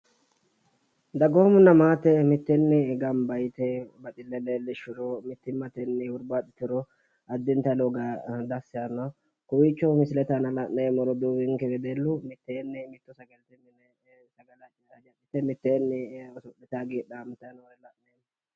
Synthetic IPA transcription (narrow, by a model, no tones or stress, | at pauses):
d̪ɐɡoːmʊnːɐmaːt̪ɛmɪt̪ːɛnːɪɡɐmbɐjt̪ɛbɐt͡ʃ̪ʼɪlːɛlelːɛʃɪɾɔmɪt̪ːɪmːɐt̪ɛnːɪhʊɾbat̪ʼɪt̪ːɪɾɔ | ɐd̪ːɪnt̪ɐloɡɐd̪ɐsːɪjɐnɐ | kʊwit͡ʃːɔmɪsɪlɛt̪ɐnɐlɐʔneːmɔɾɔd̪uwɪŋkɛɡɛd̪elːʊmɪt̪ːeːnːɪmɪt̪ːɔsɐɡɐlt̪ɛnːɪnɛ | sɐɡɐlɐd͡ʒɐd͡ʒɐdɪt̪ɛmɪt̪ːeːnːɪsʊʔɛt̪aɡiːᶑamɪt̪ːɐnwlɛlɐʔeːn